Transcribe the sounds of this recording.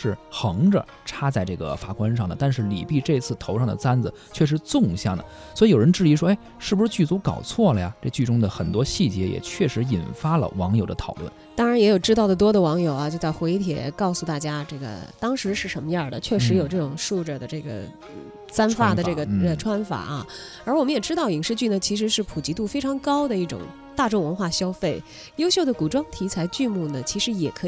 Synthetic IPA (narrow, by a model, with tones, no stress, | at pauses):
ʂɻ̩˥˩xɤ˧˥ŋʈ͡ʂə̰˧ | ʈ͡ʂʰa˥t͡sa˥˧ɪʈ͡ʂɤ˥˩ɡə̰˩fa˧˥˩kwa˥nʂɑ˥˩ŋd̪ə˩t̪a˥˧nʂɻ̩˥˩lḭ˨˩pi˥˧ʈ͡ʂɤ˥˧i˧t͡sʰɹ̩˥˩t̪ʰo˧˥ʊʂɑ˥˩ŋd̪ə̰˩t͡sa˥nd͡zɹ̩˩ | t͡ɕʰɥɛ˥˩ʂ̬ɻ̩˧˥t͡sʊ˥˧ŋɕjɑ˥˩ŋd̪ə̰˩ | swɔ˧˥i˧˥jo˨˩ɻə˧˥nʈ͡ʂɻ̩˥˩i˧˥ʂwɔ˥e˥ɪʂɻ̩˥˩u˩ʂɻ̩˥˧t͡ɕy˥˩t͡su˧˥kɑ̰˨˩ʊt͡sʰwɔ˥˩lə˩ja˩ʈ͡ʂɤ˥˧t͡ɕy˥˩ʈ͡ʂʊ˥ŋd̪ə˨xə˨˩nt̪wɔ˥ɕi˥˩t͡ɕjɛ˧˥jɛ̰˨˩t͡ɕʰɥɛ˥˩ʂɻ̩˧˥i˨˩nfa˥lə̰˨wɑ˧˥ŋjo˨˩ʊd̪ə˦t̪ʰɑ˨˩ʊlwə̰˥˩nt̪ɑ˥ŋɻa˧˥njɛ˧˥jo˨˩ʊʈ͡ʂɻ̩˥t̪ɑ˥˩d̪ə˩t̪wɔ˥d̪ə˩wɑ˧˥ŋjo˨˩ʊɐ˧˦t͡ɕjo˥˧ʊt͡sa˥˩ɪxwe˧˥ɪ˧t̪ʰjɛ̰˨˩˦kɑ˥˩ʊsu˨˩t̪a˥˩t͡ɕja˥ʈ͡ʂɤ˥˩ɡə̰˩t̪ɑ˥ŋʂɻ̩˧˥ʂɻ̩˥˩ʂə˧˥nmə˧ja˥˩d̪ə˩t͡ɕʰɥɛ˥˩ʂɻ̩˧˥jo˨˩ʊʈ͡ʂɤ˥˩ʈ͡ʂʊ˨˩ŋʂu˥˧ʈ͡ʂə˥˩d̪ə˩ʈ͡ʂɤ˥˩ɡə̰˩˥˩ | sa˥nfa˥˩də˩˦ʈ͡ʂɤ˥˩ɡə˩˧ʈ͡ʂʰwa˥nfa̰˨˩˦ʔɐ̰˧ | ə˞˧˥wɔ˨˩mə˦njɛ˨˩ʈ͡ʂɻ̩˥t̪ɑ˥˩ʊi˨˩ŋʂɻ̩˥˧t͡ɕy˥˩nə˩t͡ɕʰi˧˥ʂɻ̩˧˥ʂɻ̩˥˩pʰu˨˩t͡ɕi˧˥t̪u˥˩fe˥ɪʈ͡ʂʰɑ˧˥ŋkɑ˥ʊd̪ə˨i˥˩ʈ͡ʂʊ̰˨˩˦ŋ | t̪a˥˧ʈ͡ʂo˥˩ŋwə˧˥nxwa˥˩ɕjɑ˥ʊfe˥˩ɪ | jo˥ʊɕjo˥˩d̪ə˩ku˨˩ʈ͡ʂwɑ˥ŋt̪ʰi˧˥t͡sʰa˧˥ɪt͡ɕy˥˧mu˥˩nə˩t͡ɕʰi˧˥ʂɻ̩˧˥jɛ˨˩kʰɤ˧˥